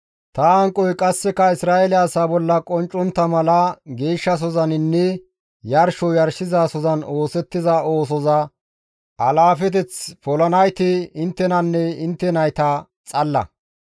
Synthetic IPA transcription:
t̪ɐɐŋkʼːɔjkʼɐsːɛkɐɪsɾaːɛlɪːsaːbɔlːɐkʼɔnt͡ʃʼːɔnt̪ːɐmɐlɐɡe̞ːʃːɐs̬ɔzɐnɪnːɛ | jɐɾʃɔjɐɾʃɪzasɔzɐno̞ːsɛt̪ːɪzɐo̞ːs̬ɔzɐ | ɐlaːfɛt̪ɛt͡spɔlɐnɐjt̪ɪɪnt̪ːɛnɐnːɛɪnt̪ːɛnɐjt̪ɐ | t͡sʼɐlːɐ̰

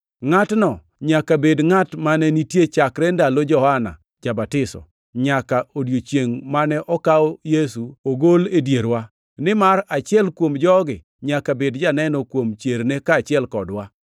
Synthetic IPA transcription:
ŋatnɔ | ɲakabedŋatmanɛnitjet͡ʃakɾɛndalod͡ʒɔhana̰ | d͡ʒabatɪsɔ̰ | ɲakaodjot͡ʃjeŋmanɛʔɔkaɔjesuoɡoledjeɾwa | nɪmaɾat͡ʃɪɛlkwomd͡ʒɔɡɪ | ɲakabedd͡ʒanɛnɔkwomt͡ʃeɾnekaːt͡ʃɪɛlkɔdwa

